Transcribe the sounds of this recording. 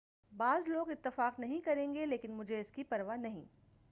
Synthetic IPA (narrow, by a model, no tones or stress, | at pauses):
baːzloːɡɪt̪ːɪfaːqnɐɦĩkɐɾẽːŋɡeleːkɪnmʊd͡ʒʱeɪskipɐɾʋanɐɦḭ̃